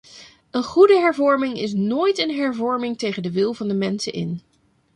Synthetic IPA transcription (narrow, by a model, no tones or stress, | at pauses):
ənχudəɦɛɹvɔɹmɪŋɪs̬noːjtənɦɛɹvɔɹmɪŋtejχəndəʋɪlˠvɑndəmɛnsənʔɪ̰n